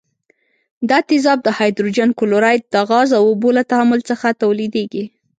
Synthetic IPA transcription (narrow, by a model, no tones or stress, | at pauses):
d̪ɑt̪ɪzɑb̚d̪əhɑjd̪ɾud͡ʒankʊlʊɾɑj̪d̪̥əaɣɑzawobolat̪ahamʊlt͡səxat̪awlid̪eɡi